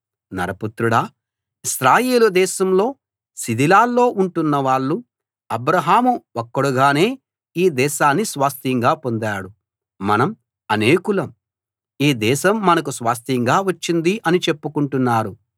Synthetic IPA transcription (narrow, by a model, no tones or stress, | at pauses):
nɐ̰ɾɐput̪ɾuɽaː | iʃɾaːjeːlud̪ɛːʃɐmlo̞ː | sid̪ilaːlːo̞ːʔuɳʈunːɐʋaːɭːu | ɐbɾɐɦaːmuokːɐɽuɡaːne̞ː | iːd̪ɛːʃaːnːisʋaːst̪iŋɡaːpo̞nd̪aːɽu | mɐnɐm | ɐneːkulɐm | iːd̪ɛːʃɐmːɐnɐk̬usʋaːs̬t̪iŋɡaːʋɐt͡ʃːind̪iʔɐnit͡ʃe̞pːukuɳʈunːaːɾu